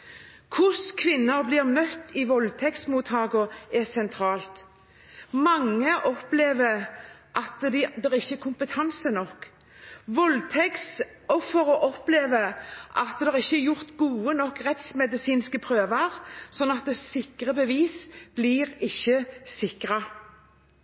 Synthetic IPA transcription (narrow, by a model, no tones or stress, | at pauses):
kʰʊskʰʋɪnːəɾblɪːʁmœt̪ːɪʋɔlt̪ʰɛksmuːt̪hɑːɡʊɛsɛnt̪ʰɾɑːlt̪ | mɑŋːəʔɔpleːʋəʔɑt̪d̪d̪ɛʁɪçːəɛkʰʊmpət̪ʰɑnsənɔkː | ʋɔlt̪ʰɛks | ɔfːəɾɔʔɔpleːʋəʔɑ̰t̪d̪ɛʁɪçːəɛjʊʁt̪ɡuːənɔkːʁɛt̪smɛd̪ɪsiːnskəpʰɾøːʋɑʁsɔnːɑt̪̚d̪ɛsɪkʁəbəʋiːsb̥liːʁɪçːəsɪkɾɑ